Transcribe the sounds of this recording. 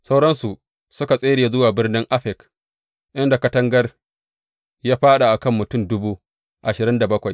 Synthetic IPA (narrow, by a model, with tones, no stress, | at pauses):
sa˦wɽɐ˦nsu˨ | sʊ˦ka˨sʼeː˦ɽeː˨zʊ˦waː˨bɪ˦rnɪ˦ŋʔa˦ɸɛ˨k | ʔɪ˦nda˨kɐ˦tɐ˦ŋɡɐ˦r | jaː˦ɸaː˦ɗa˨ʔa˨kɐ˦˨mːʊ˨tʊ˦˨mdʊ˦buː˦ | ʔa˨ʃɪ˨ɾɪ˦nda˨bɐ˦kʷa˨j